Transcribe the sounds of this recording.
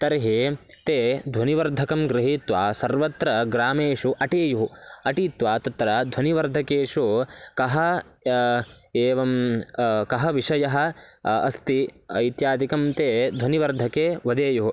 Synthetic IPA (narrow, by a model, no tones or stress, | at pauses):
t̪ɐɾɦe | t̪eːd̪ʱɐniʋɐɾd̪ʱɐkɐmɡɾɪɦiːt̪ʋaːsɐɾʋɐt̪ɾɐɡɾaːmeːʂuʔɐʈeːjuɦuɐʈiːt̪ʋaːt̪ɐt̪ɾɐd̪ʱwɐniʋɐɾd̪ʱɐkeːʃukɐɦɐ | eːʋɐm | kɐɦɐʋiʂɐjɐɦɐ̆ɐ̰st̪iɐ̰jt̪jaːd̪ikɐmt̪eːd̪ʱwɐniʋɐɾd̪ʱɐkeːʋɐd̪eːjuɦu